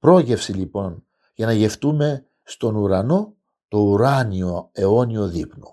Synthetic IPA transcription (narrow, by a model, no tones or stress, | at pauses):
pɾo̞ʝe̞fsilipo̞n | ʝɐnɐʝe̞ft̪ume̞ | st̪o̞nuɾɐno̞ | t̪o̞uɾɐnioe̞o̞nio̞ðipno